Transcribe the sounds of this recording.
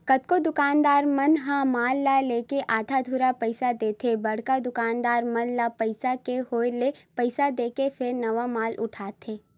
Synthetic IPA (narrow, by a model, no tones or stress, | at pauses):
kɐt̪̚kod̪ʊkaːnd̪aːɾmɐnɦãmaːlːaːleːkeʔaːd̪ʱad̪ʱuɾapəɪsad̪eːt̪ʰebɐɽ̤kad̪ʊkaːnd̪aːɾmɐnlapɐɪsakeɦoːelepəɪsad̪eːkefɪɾnɐʋamaːlʔʊ̰ʈʰaːt̪ʰeː